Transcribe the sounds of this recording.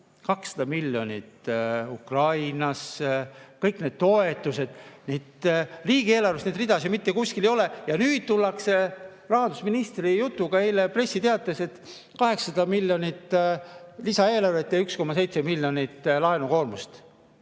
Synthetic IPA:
kɑksːɑ̥d̪̥ɑmilʲːjo̞nʲit̪ukrɑjnɑs | kɤjkned̥̪̚t̪o̞e̞t̪ːˑuse̞d̪̥niːd̪riːɡ̥ie̞ːlɑrvest̪ned̪rid̪̥ɑsjɑmit̪ːekusʲkilejo̞lejɑnyːd̪̥̚t̪ulːɑkse̞ | rɑɦɑnd̪usminist̪rijut̪ːˑuɡ̥ɑejlepre̞sːit̪eɑt̪ːˑese̞t̪ | kɑɦe̞ksɑd̪̥ɑmilʲjonit̪ː | lisɑe̞ːlɑrvet̪ːˑeyksko̞mːɑse̞jt̪se̞milʲːjo̞nʲit̪ːlɑenuko̞ːrmust̪

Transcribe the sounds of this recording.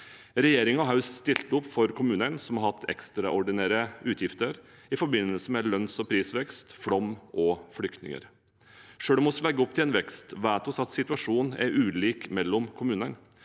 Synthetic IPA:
ɾɛjeːɾɪŋɔɦɑʉsst̪ɪlt̪əʊpːfɔɾkʰʊmʉːnənsɔmhɑɾhɑt̪ʰːɛ̰kst̪ɾɑʔɔɖɪnæːɾəʉːt̪ʰjɪft̪əɾ | ɪfɔɾbɪnːəlsəmɛlœnsɔpʰɾiːsʋɛkst̪fɽɔmːʔɔflʏkt̪nɪ̰ŋə̰ɾ | ʂøːɽɔmɔslɛɡːəɔpt̪ʰɪlɛːnʋɛkst̪ʋæːt̪ɔsɑt̪sɪt̪ʉɑʂuːnæ̰ɾʉːliːkmɛlːɔmkʰʊmʉːnən

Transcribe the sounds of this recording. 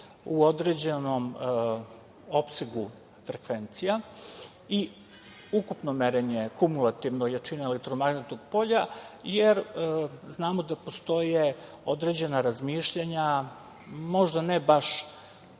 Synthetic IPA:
uo̞d̪ɾed͡ʑeno̞m | o̞pseɡu | fɾekʋe̞nt̪sija | i | ukupno̞meɾeɲekumulˠat̪iʋnojat͡ʃineelek̚t̪ɾomaɡnet̪oɡpo̞ʎajeɾznaːmod̪apo̞st̪o̞je | od̪ɾed͡ʑe̞naɾazmiʃʎaɲa | mo̞ʒd̪anebaʃ

